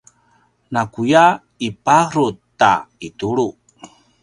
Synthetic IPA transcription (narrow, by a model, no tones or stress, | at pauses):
nakuja | ipaɾut̪a̰ituɭu